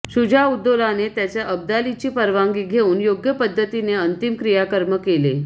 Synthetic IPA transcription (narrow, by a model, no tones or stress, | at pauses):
ɕud͡ʑʱaud̪ːolanet̪jat͡ɕjaʔəb̚d̪alit͡ɕiːpəɾʋaŋɡiːɡʱeuːnjoɡjəpəd̪ʱːət̪ineənt̪imkɾijakəɾməkelḛ